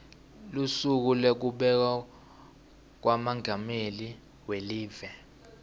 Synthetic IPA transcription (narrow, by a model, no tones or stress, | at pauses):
lusuk̬ulek̬uɓɛk̬a | k̬wamaŋʱameli | weliːvɛ